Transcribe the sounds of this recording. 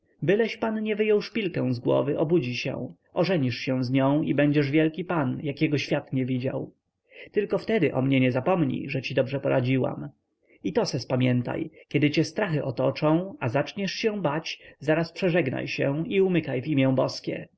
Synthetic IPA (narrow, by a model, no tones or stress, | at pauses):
bɘlɛɕpanɲɛvɘjɔwʂpʲilkɛ̃w̃zɡwɔ̰vɘʔɔbud͡ʑiɕɛ̰̃w̃ | ʔɔʐɛɲiʂɕɛ̃w̃zɲɔ̃w̃ibɛɲd͡ʑɛʐvʲjɛlkʲipanjakʲɛɡɔɕfʲjat̪ɲɛvʲid͡ʑa̰w | t̪ɘlkɔft̪ɛd̪ɘʔɔmɲɛɲɛzapɔmɲḭʐɛt͡ɕid̪ɔbʐɛpɔɾʔad͡ʑiwa̰m | it̪ɔsɛspamʲjɛnt̪a̰jkʲɛd̪ɘt͡ɕɛst̪ɾaxɘʔɔt̪ɔt͡ʂɔ̃w̃azat͡ʂɲɛʂɕɛ̃bat͡ɕzaɾaspʂɛʐɛɡna̰jɕɛ̰wiumɘkajvimʲjɛ̃bɔskʲɛ̰